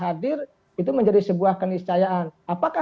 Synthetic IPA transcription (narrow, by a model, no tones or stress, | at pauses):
ɦadɪr | it̪uməɲd͡ʒadisəbuahkənist͡ʃajaanapaka